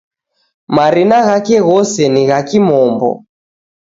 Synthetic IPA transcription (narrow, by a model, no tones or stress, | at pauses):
maɾinaɣakɛɣɔsɛniɣakimɔmbɔ̰